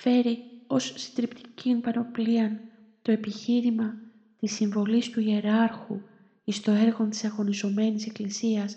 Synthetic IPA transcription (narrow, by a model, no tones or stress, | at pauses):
fe̞ɾio̞sːt̪ɾipt̪i̥cinpɐno̞pliɐn | t̪o̞e̞piçiɾimɐ | t̪isiɱvo̞list̪uie̞ɾɐɾxu | ist̪o̞e̞ɾɣo̞nt̪i̥sɐɣo̞nizo̞me̞nise̞klisiɐs